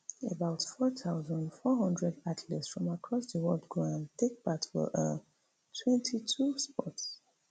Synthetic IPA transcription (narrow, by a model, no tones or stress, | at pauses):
əbaʊtfɔθʰaʊzə̃ndfɔɦʌ̃ndɹɛdatʰlɛtsfɹɔ̃makʰɹɔsðəwɔldɡɹãntek̚patwə̰ʔə | tʰwɛ̃ntʰitʰuspɔts